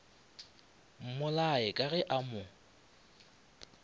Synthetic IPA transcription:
m̩mʊlaɪkʼaɣɛʔamʊ

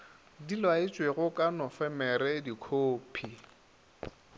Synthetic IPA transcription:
dilwaɪt͡ʃʼweɣʊkʼanɔfɛmɛrɛdikʰoːpʰi

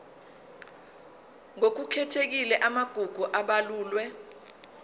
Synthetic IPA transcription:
ŋok̬ukʰɛtʰek̬ilɛʔamaɡ̥ʱuɡ̥ʱuʔaɓaluːlwɛ

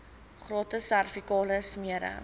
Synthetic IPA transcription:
χroːtəsærfikɑːləsmiəɾə̰

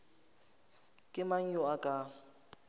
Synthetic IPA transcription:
kʼɪmaŋ̩jɔakʼa

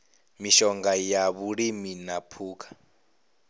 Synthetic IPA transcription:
miʃɔŋɡajaβuɺiminapʰuːkʰḁ

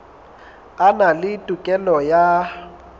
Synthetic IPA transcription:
analɪtʼukʼɛlɔja

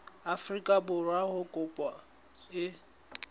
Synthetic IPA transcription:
afrikʼabʊrwaɣʊkʼʊpʼɔ | ɪ

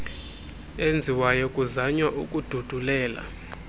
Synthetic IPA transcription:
end͡zʱiwajɔkʼuzaɲwaʔṵkʼud̥ʱud̥ʱulɛːla̰

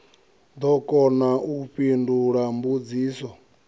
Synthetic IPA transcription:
d̪ɔkʼɔnaʔuɸinduɺambud͡ziːsɔ

